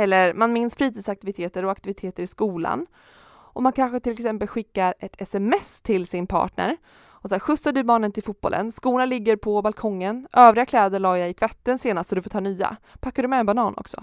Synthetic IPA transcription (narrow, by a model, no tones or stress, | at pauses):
ɛlːəɾmanmɪnsfɾiːt̪ʰiːd̪sak̚t̪ɪvɪt̪ʰeːt̪əɾɔakt̪ɪvɪt̪ʰeːt̪əɾɪskuːla̰n | ʔɔmankʰanɧət̪ʰɪlɛksɛmpəlɧɪkːaɾɛt̪ʰɛsɛmɛst̪ʰɪlsɪnpʰɑ̰ːʈɳə̰ɾ | ɔsɑɧɵsːaɖɵbɑːnənt̪ɪlfuːt̪̚bɔ̰lʔə̰nskuːnalɪɡːəɾpʰɔbalkʰɔŋːənʔøːvɾɪɡakʰlɛːd̪əɭɑːjaɪt̪ʰvɛt̪ːənseːnast̪sɔd̪ɵfoːt̪ʰɑːnyːa̰pʰakːadɵmɛɛnbanɑːnʔɔ̰ksɔ̰